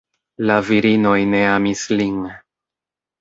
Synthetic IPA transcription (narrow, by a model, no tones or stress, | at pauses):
laviɾino̞jne̞amislin